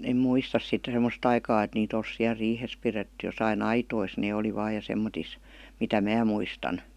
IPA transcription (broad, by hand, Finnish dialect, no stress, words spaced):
em muistɑs sitːe semə̆st ɑikɑː et niːt ols siæl riːhes piretːy josɑin ɑitois neː oli ʋɑː jɑ semːotis mitæ mæː muistɑn